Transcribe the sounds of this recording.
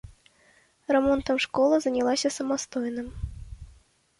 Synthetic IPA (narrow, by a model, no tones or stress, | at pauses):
rɛmɔnt̪ɐmʂkɔlˠɐzɐnʲalˠasʲɐsɐmast̪ɔjnɨm